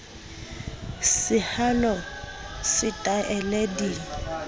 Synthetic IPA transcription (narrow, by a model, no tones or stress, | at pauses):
sɪhalɔsɪtʼaʔɛlɛdi